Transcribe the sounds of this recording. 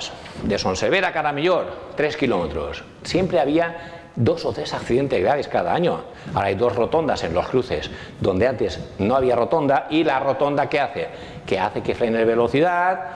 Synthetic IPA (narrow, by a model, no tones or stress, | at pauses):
sd̪e̞sonseβ̞eɾakaɾamiʎoɾt̪ɾe̞skilo̞me̞t̪ɾo̰s | sje̞mpɾe̞aβ̞ia | d̪o̞sot̪ɾe̞sakθiðe̞nt̪e̞zɣɾaβiskaðaaɲo̞̰ | aɾaajðo̞zro̞t̪o̞nd̪ase̞nlo̞skɾuθe̞̰s | d̪o̞nd̪eant̪e̞znoaβ̞iaro̞t̪o̞nd̪aʔilaro̞t̪ond̪akeaθe | ke̞a̰θe̞ke̞fɾenelβe̞lo̞θiðat̪